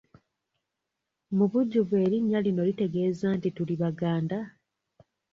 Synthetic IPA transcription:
muβuɟːuβe̞ːɾiɲːalino̞lite̞ɡe̞ːzantituliβaɡaːnda

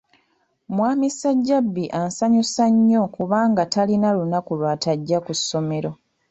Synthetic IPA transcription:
mwaːmisaɟːabːiʔansaɲusaɲːo̞kuβaːŋɡatalinalunakulwaːtaɟːakusːo̞me̞ɾo̞

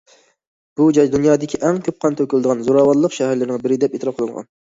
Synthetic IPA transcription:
b̥ud͡ʒɑjd̪unjɑːd̪ɪkʲʰiʔɛŋkʲʰøp̚qʰɑnt̪ʰøkʲylɨd̪əʁɑnzoɾɑːwɑɾlˠəqʃɛɦæɾlɪɾnɪŋbɪɾɪd̪ɛpet̪ʰɾɑp̚qʰəlˠɨŋʁɑ̰n

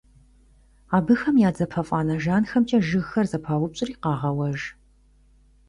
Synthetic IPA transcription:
aːbɨxɐmjaːd͡zɐpʰɐfʼaːnɐʒaːnxɐmt͡ʃʼɐʒɨɣxɐrzɐpʰaːwʊpɕʼɪriːqɑːʁɐwɐʒ

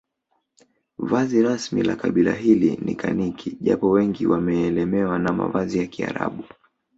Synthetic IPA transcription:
vaziɾasmilakaɓilaɦilinikanikʰiʄapɔwɛŋɡiwamɛːlɛmɛwanama̰vazijakia̰ɾa̰ɓu

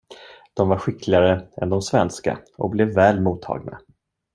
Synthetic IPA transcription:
d̪̥ɔmvaɾɧɪkʰlɪɡaɾəɛ̰nd̪ɔmsvɛnska̰ʔɔkblɛvːɛːlmuːt̪ʰːɑ̰ːɡna̰

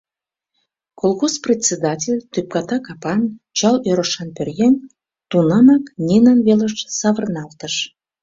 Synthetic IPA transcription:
kolˠɣosprʲetʲt͡sʲːed̪ɑtʲelʲt̪yp̚kɑt̪ɑkɑpɑnt͡ɕɑløɾəʃɑnpørjen | t̪unɑmɑknʲenɑnβeləʃsɑβərnɑlˠt̪əʃ

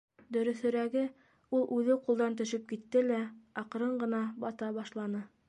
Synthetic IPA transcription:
d̪ɵ̆ɾɵ̆θɵ̆ɾæɡɘ | ulˠʔʉðɘqulˠd̪ɑnt̪̬ɵ̆ʃɘp̚kit̪ːɘlæɑqɤ̆ɾɤɴɢɤ̆nɑbɑt̪ɑbɑʃlˠɑnɤ

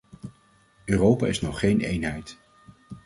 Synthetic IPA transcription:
øːrowpa̰ːɪsnɔχχejnejnɦɛjt

